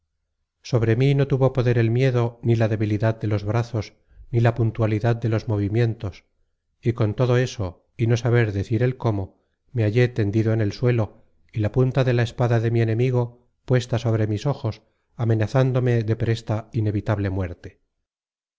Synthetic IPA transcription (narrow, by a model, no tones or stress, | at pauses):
so̞β̞ɾe̞mino̞t̪uβo̞po̞ðe̞ɾe̞lmje̞ðo̞nilaðe̞βiliðad̪̚d̪e̞lo̞zβɾaθo̞s | nilapunt̪waliðad̪̚d̪e̞lo̞zmo̞β̞imje̞nt̪o̞s | iko̞nt̪o̞ðo̞e̞so̞ | ino̞saβe̞ɾðe̞θiɾe̞lko̞mo̞ | meaʝe̞t̪e̞nd̪iðoene̞lswe̞lo̞ | ilapunt̪aðe̞lae̞spaðaðe̞mie̞nẽ̞miɣo̞ | pwe̞st̪aso̞β̞ɾe̞miso̞xo̞s | ame̞naθand̪o̞me̞ðe̞pɾe̞st̪aine̞βit̪aβle̞mwe̞ɾt̪e